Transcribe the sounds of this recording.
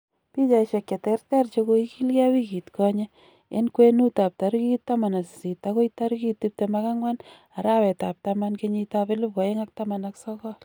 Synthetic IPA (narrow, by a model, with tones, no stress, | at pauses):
pi˦t͡ʃa˨iʃe˨kje˨tɛrtɛ˦rt͡ʃekoiki˦lka˦wi˦ki˨tkɔɲe | e˦nkwe˦nu˦ta˨p̚taɾkitːa˦ma˨na˨si˨si˨tːako˦ita˦ɾuki˦tːip̚temaka˦ŋwa˦n | a˨ɾa˦wɛ˨ta˨p̚tamankeɲi˧tape˦lu˦p̚kɔ˨eŋa˦k̚tamanaksɔkɔ˦